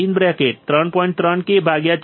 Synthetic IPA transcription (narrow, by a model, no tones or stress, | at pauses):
inbɾɛkeʈ̚t̪ɾəɳpɔĩɳʈ̚t̪ɾəɳkebʱaɡjat͡ʃ